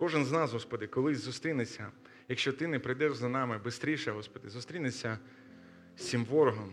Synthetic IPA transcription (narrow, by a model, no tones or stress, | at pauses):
kɔʒɪnznɑzɦɔspɔd̪ɪkɔlˠɪzʊst̪ɾʲinesʲɐ | jɐkʃt͡ʃɔt̪ɪnɛpɾɪjd̪ɛʒzɐnɑmɪbɪst̪ɾʲiʃɛɦɔspɔd̪ɪzʊst̪ɾʲinesʲɐ | sʲimʋɔɾɔɦɔm